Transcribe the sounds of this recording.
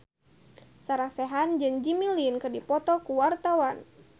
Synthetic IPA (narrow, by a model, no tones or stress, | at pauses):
saɾahsɛɦand͡ʒɨŋd͡ʒimilinkɨrdipɔt̪ɔkuwart̪awan